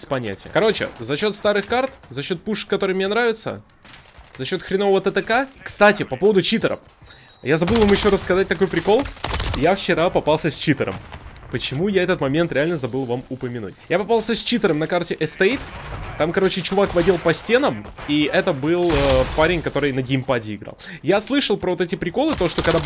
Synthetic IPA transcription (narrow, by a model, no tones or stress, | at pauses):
sʲpɐnʲæ̰tʲɪjə̰kɐɾo̞t͡ɕɪ̰zɐɕːo̞t̪st̪aɾɨxkart̪zɐɕːo̞t̪̚puʂkːɐt̪oɾɨjmʲnʲenɾavʲɪt̪sə̰ | zɐɕːo̞t̪xɾʲɪnovəvət̪ət̪əkakst̪atʲɪpɐpo̞vəd̪ʊt͡ɕit̪əɾə̰f | jazɐbɨlˠvamjɪɕːo̞ɾəsskɐzat̚ʲt̪ɐko̞jpɾʲɪko̞lˠjaft͡ɕɪɾapɐpalˠsʲəsʲt͡ɕit̪əɾə̰mpət͡ɕɪmujaɛt̪ət̪mɐmʲe̞nt̪ɾʲɪalʲnəzɐbɨlˠvamʊpəmʲɪnṵtʲjapɐpalˠsʲəsʲt͡ɕit̪əɾəmnɐkartʲɪʔɛst̪ejt̪t̪amkɐɾo̞t͡ɕɪt͡ɕʊvakvɐdʲilˠpɐsʲtʲe̞nəmiʔɛt̪əbɨlˠəpaɾʲɪnʲkɐt̪o̞ɾɨjnəɡʲɪmpadʲɪɪɡɾa̰lˠ | jaslˠɨʂəlˠpɾəvot̪ɛtʲɪpɾʲɪko̞lˠɨt̪oʂt̪okɐɡd̪a